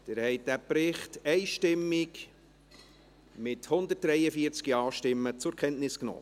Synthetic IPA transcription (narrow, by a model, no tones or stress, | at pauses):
d̪̥ɛːɾhɛɪt̚dæpɾɪχtɛɪʃtɪmːɪk | mɪthʊnd̪ət̚d̥ɾɛjəfiəɾt͡skiɑːʃtɪmːət͡sʊɾkʰɛntnɪskno̰ː